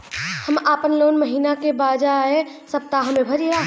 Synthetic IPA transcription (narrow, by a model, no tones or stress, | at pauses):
hɐmaːpənloːnməɦiːnakebaːd͡ʒaɦesəp̚t̪aɦɐmẽbʱɐɾiaː